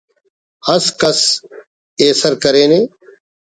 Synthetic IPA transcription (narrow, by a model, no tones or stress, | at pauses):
həskəs | eːsəɾkəɾeːneː